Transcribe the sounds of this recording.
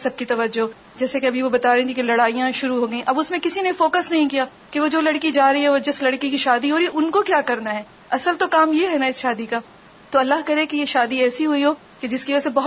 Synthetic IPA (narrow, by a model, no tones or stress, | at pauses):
sɐb̚kit̪ɐʋəd͡ʒːo | d͡ʒɛːsekeɐbʱiʋobɐt̪aːɾẽːt̪ʰikelɐɽaːijãʃʊɾuɦoːɡɐĩʔɐbʊsmẽkɪsinefoːkəsnɐɦĩkijaː | keʋod͡ʒoːlɐɽkid͡ʒaːɾiɦɛʋod͡ʒɐslɐɽkikiʃaːd̪iɦoːɾiɛʔʊnkokjaːkɐɾnaɦɛː | ɐsəlt̪okaːmjeɦɛnaɪsʃaːd̪ikaː | t̪oɐlːaɦkɐɾẽkejeʃaːd̪iɛːsiɦʊiɦoː | ked͡ʒɪskiʋosebɐɦ